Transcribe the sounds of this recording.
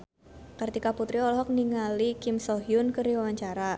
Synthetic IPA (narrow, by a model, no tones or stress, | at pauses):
kərt̪ikaput̪ɾiɔlɔɦɔk̚niŋalikɪmsɔɦjʊnkəɾiwawaɲt͡ʃaɾa